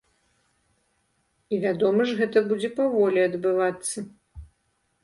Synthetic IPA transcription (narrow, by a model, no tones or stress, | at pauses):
ivʲad̪ɔmɐʐɣɛt̪ɐbud͡zʲɛpavɔlʲiɐd̪bɨvat̪sːɐ